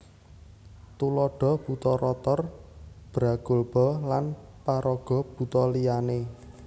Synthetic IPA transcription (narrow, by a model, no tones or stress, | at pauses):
t̪ulɔɖ̥ɔ̤b̥ṳt̪ɔɾɔt̪ɔrb̥ɾa̤ɡ̥o̤lb̥ɔ̤lanpaɾʔɔɡ̥ɔ̤b̥ṳt̪ɔlijane